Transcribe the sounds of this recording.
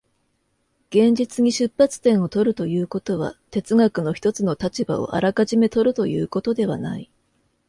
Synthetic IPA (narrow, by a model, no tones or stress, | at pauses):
ɡ̥ẽ̞ɲ̟d͡ʑit͡sɨɲ̟iɕɨpːat͡sɨ̥t̪ẽ̞ɰ̃o̞t̪o̞ɾɯ̟t̪o̞jɯ̟ːko̞t̪o̞β̞a̰t̪e̞t͡sɨɡakɯ̟no̞çi̥t̪o̞t͡sɨno̞t̪at͡ɕiba̰o̰ʔa̰ɾakaʑime̞t̪o̞ɾɯ̟t̪o̞jɯ̟̰ːko̞t̪o̞d̪e̞βa̰nai